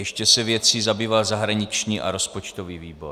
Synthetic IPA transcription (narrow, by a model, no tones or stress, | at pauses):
jɛʃcɛsɛvjɛt͡siːzabiːvalzaɦɾaɲɪt͡ʃɲiːʔa̰ɾospot͡ʃt̪oviːviːbo